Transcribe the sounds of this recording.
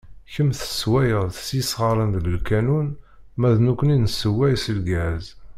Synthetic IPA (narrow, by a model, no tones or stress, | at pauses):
çəmθə̥swæjəʁθəsisʁəɾˤənðləlkænun | mæðnukʷːəninəsːəwːæjsəlɡæz